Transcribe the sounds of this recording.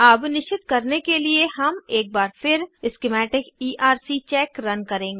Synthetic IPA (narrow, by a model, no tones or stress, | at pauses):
ɐbnɪʃt͡ʃɪt̪kɐɾnekelieɦɐmeːk̚baːɾpʰɪɾɪskemɛːʈɪkiːʔaːɾsit͡ʃɛːkɾɐnkɐɾẽːŋɡeː